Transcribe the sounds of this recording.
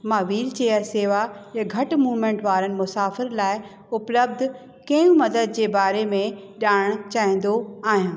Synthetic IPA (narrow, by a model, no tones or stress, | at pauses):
mãːʋiːlt͡ɕeːəɾseːʋajɐ̃ɡʱɐʈmuːʋmẽːɳʈʋaːɾənɪ̆mʊsaːfɪɾlaːɪ | ʊpləb̚d̪ʱ | kɐ̃jũmɐd̪əd̪̚d͡ʑeːbaːɾemẽɗaːɪɽ̃t͡ɕaːɦĩːn̆d̪oaːɦijãː